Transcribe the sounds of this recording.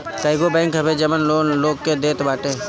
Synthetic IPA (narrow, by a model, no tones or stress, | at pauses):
kaːɪɡobɛ̃ːŋkɦɐbed͡ʒəmənloːnloːɡ̚ked̪eːt̪baːʈe